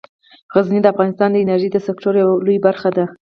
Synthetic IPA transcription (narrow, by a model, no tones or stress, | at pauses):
ɣaznid̪əafɣɑnɪst̪ɑnd̪əɪnaɾʒid̪əsɪkʈoɾjawalujbaɾxad̪a